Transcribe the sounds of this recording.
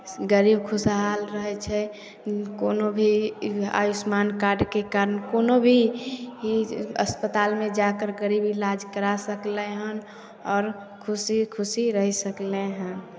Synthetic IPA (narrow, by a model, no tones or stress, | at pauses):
ɡəɾib̚kʰʊsaɦalɾəɦɛt͡ʃʰɛ | koːnobʱia̰jusmaːnkaɾɖkekaːɾənkoːnobʱiiə̰spət̪aːlmẽd͡ʒakəɾɡəɾibilad͡ʒkəɾasəkleɦən | ɔːɾ | kʰʊsikʰʊsiɾəɦisəkleɦə̃n